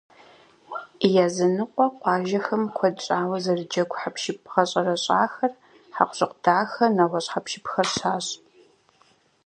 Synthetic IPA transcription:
jaːzɐnɨqʷʼɔqʷɑːʒɐxɐmkʷʰɔdɕʼaːwɐzɐrɨd͡ʒɐɡʷʰʼħapʰʃɪp̚ʰχɐɕʼɐrɐɕʼaːxɐr | ħa̰qʷɕʼɨqʷd̥aːxɐnɐwʷɔɕħapʃɪpxɐrɕaːɕʼ

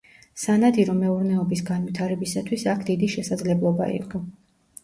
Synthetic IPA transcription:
sanad̪iɾɔmɛuɾnɛɔbisɡanwit̪ʰaɾɛbisat̪ʰwisakʰd̪id̪iʃɛsad̪zlɛblˠɔba̰ḭqʼɔ

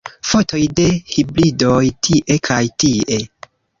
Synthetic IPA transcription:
fo̞tʰo̞jde̞hibɾido̞jtʰiʔe̞kʰajtiʔe̞

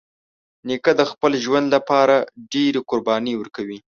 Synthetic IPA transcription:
nekad̪əxpəlʒwand̪lapɑɾaɖeɾeqʊɾbɑniwəɾkawi

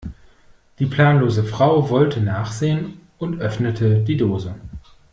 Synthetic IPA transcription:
d̥iːpl̥aːnloːzəfʁ̥aʊvɔltʰənaːχz̥eːən | ʊntʔœfnətʰədiːdoːzə

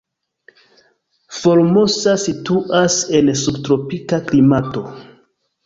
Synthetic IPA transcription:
fo̞ɾmosasituʔase̞nsubtɾo̞pikaklimato̞

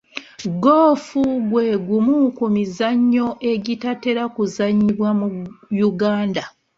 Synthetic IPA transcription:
ɡoːfuɡwe̞ːɡumukumizaɲːo̞ʔe̞ɟitate̞ɾakuzaɲːiβwamujuɡaːnda

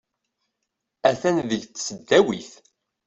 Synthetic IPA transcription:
æθænðəʝt͡sːsəd̪ːæwiθ

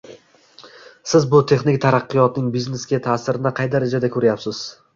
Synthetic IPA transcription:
sɪzbʊt̪ʰe̞χnɪkʲt̪ʰaɾɑqːɨjɒt̪nɪŋbizne̞sɡʲat̪ʰasɪɾɪnɪqʰɑjd̪aɾad͡ʒad̪akʰɵɾajapsɪz̥

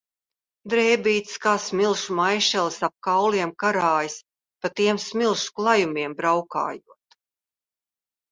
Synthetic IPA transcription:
d̪ɾɛːbʲiːt̪skaːsmilˠʃumajʃɛlˠsap̚kawliɛmkaɾaːjis | pat̪iɛmsmilˠʃu̥klˠajumiɛmbɾawka̰ːjuɔət̪

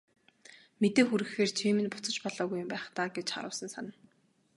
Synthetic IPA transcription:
met̪eːxuɾɘ̆xeːrt͡ɕʰiːmɘ̆npʊ̥t͡sə̆t͡ɕpɔɮɔːɣujʊmpæːχt̪aːɡet͡ɕχa̰ɾə̰̆ːsə̆nsanə̆

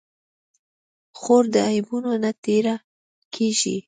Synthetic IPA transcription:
xoɾd̪əajbunonat̪eɾa | kʰeʒḭ

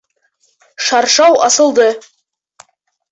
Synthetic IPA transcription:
ʃɑɾʃɑwɑsə̆lˠd̪ə

